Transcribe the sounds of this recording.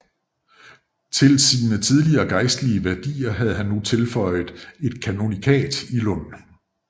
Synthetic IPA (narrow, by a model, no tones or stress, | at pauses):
t͡sʰe̝lsiːnət͡sʰið̞ˠliɐːɡ̥ɑ̈ɪsd̥liəʋæɐd̥ḭːɐɦæð̞̩ˠɦænːut͡sʰe̝lfɒ̽ɪ̰ð̩ˠe̝d̥kʰæno̝nikʰɛ̰ːd̥ilɔn̰n̩